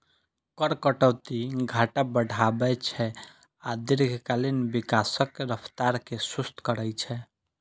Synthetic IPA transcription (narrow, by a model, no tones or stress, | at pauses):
kəɾkəʈəwt̪iɡʱaʈabəɽʱabɛt͡ʃʰɛ | ad̪iɾɡʱkalinbikasəkɾəpʰt̪aɾkesust̪kəɾəjt͡ʃʰɛ